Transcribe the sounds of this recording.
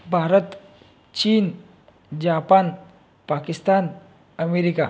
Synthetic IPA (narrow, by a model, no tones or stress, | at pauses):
baɾət̪ | t͡ʃin | d͡ʒapan | pakist̪an | ameɾika̰